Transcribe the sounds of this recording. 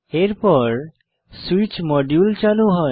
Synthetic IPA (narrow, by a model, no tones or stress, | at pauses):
eɾpɔɾ | suit͡ɕmɔɖjult͡ɕaluɦɔ